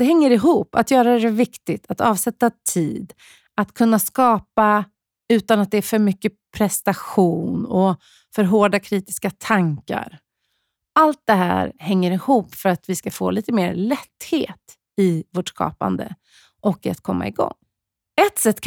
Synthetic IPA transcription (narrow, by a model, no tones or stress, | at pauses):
ɛɦɛŋːəɾɪɦuːpːa̰t̪jœːɾadɛɾɛvɪkt̪ɪt̪ʰat̪ɑːvsɛt̪ːat̪ʰiːd̪ | at̪kʰɵnːaskɑːpa | ʉ̟ːt̪anat̪̚d̪ɛːɾfœɾmʏkːəpʰɾɛst̪aɧuːnɔ | fœɾɦoːɖakʰɾiːt̪ɪ̥skat̪ʰaŋka̰ɾ | ʔalt̪̚d̪ɛɦæ̰ːɾhɛŋːəɾɪhuːpːfœɾat̪vɪskafo̰ːliːt̪əmḛːɾlɛt̪ːhḛːt̪ | ɪvoːʈskɑ̰ːpa̰nd̪ə̰ | ʔɔkːa̰t̪kʰɔmːa̰ɪɡɔ̰ŋː | ɛt̪sɛt̪ːk